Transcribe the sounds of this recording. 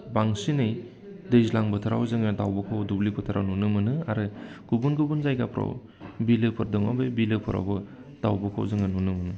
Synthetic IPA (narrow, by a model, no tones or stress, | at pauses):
baŋsinɯj | dejzlaŋbɯtʰaɾa̰wzɯŋɯdawbakʰawdublipʰɯtʰaɾawnunɯmɯnɯaɾɯɡ̥ubunɡubunzajɡapʰɾa̰w | bilɯpʰɯɾdɯŋa̰bebilɯpʰɯɾa̰wbɯ | d̥awbɯkʰa̰wzɯŋɯnunɯmɯnɯ